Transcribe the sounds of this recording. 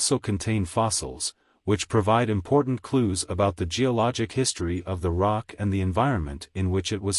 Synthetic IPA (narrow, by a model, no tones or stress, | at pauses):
soʊkʰɨ̃n̩tʰẽɪ̃nfɑsl̩ˠz̥ | wɨt͡ʃpʰɹ̥ɨvaɪɾɨ̃mpʰɔɹʔn̩kʰl̥uzəbaʊt̪̚ðɨd͡ʒiəlɑd͡ʒɨkhɪstɹ̥iʔʌvðəɹɑkʰɨ̃nðiɨ̃ɱvaɪɹɨ̃nmɨ̰̃ntɨ̃nwɪt͡ʃɨt̚wʌz̥